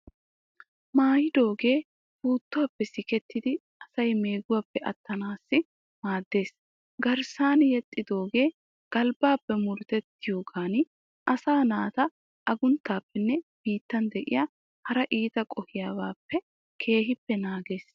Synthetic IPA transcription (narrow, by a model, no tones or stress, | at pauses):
maːjɪd̪o̞ːɡe̞ː | buːt̪ːʊwaːpːɛsɪkɛt̪ːɪd̪ɪ | ɐsɐjme̞ːɡʊwaːpːɛʔɐ̰t̪ːɐnaːsːɪ | maːd̪ːe̞ːs | ɡɐɾsaːnjɛt̪ʼːɪd̪o̞ːɡe̞ː | ɡ̥ɐlbaːpːɛmʊɾt̪ɛt̪ːɪjo̞ːɡaːn | ʔɐsaːnaːt̪ɐ | ʔɐɡʊnt̪ːaːpːɛnːɛb̥iːt̪ːɐnd̪ɛʔɪ̰ja | hɐɾɐʔiːt̪ɐkʼɔhɪjaːwaːpːɛ | kʰe̞ːɦɪpːɛnaːɡeːs